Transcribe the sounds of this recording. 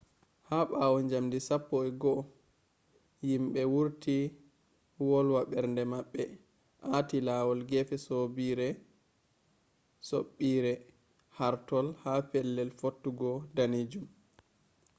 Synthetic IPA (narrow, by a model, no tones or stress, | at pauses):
haɓaːwɔɲd͡ʒamdisapːɔɛɡɔ | jimɓɛwuɾti | wɔlwaɓɛɾndɛmaɓːɛ | ʔatilawɔlɡɛfɛsobiɾɛ | soɓːiɾɛ | haɾtɔlhapɛlːɛlfotːuɡɔdanid͡ʒum